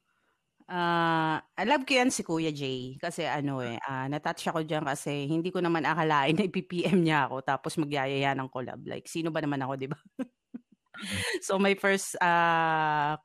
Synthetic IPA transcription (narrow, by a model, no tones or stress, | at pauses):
ʔaːʔɐlab̚kʊjansɪkuːjɐd͡ʒɛjkɐsɛʔɐno̞ʔɛ̰ʔanɐt̪at̪t͡ʃɐko̞d͡ʒankɐsɛhɪnd̪iːkonɐmanʔɐkɐlaːʔɪnːɐʔɪpiːpiːʔɛmɲaɐko̞t̪aːposmɐɡjaːjɐjanɐŋkola̰b̚la̰jk̚siːno̞bɐnɐmanɐko̞d̪ɪba | so̞mɐjfɛɹst̪a